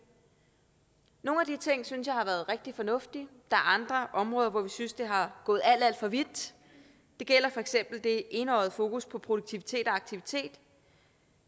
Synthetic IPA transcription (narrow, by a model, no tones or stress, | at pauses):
no̝ːnæd̥it͡sʰe̝ŋ̰syns̬jɑ̈ɪhɑ̈ʋæɐð̞̩ˠʁeɡ̥̚d̥ifɒ̽nɔ̽fd̥id̥ɑ̈æɐɑ̈nd̥ʁɐʔɒ̽mʁɔ̽ːðˠɐʋɒʋisynsd̥e̝ɦɑ̈ɡ̥ɔ̽ːð̩ˠæl̰d̥æl̰d̥fɒ̽ʋid̥ | d̥e̝ɡ̥el̰ɐfɒ̽eɡ̥sem̰b̥l̩d̥e̝ʔe̝nɒʊð̩ˠfo̝ːkuspʰɒ̽pʰʁo̝d̥uɡ̥̚t͡sʰiʋit͡sʰe̝̰ːd̥ɒɑ̈ɡ̥̚t͡sʰiʋit͡sʰe̝̰ːd̥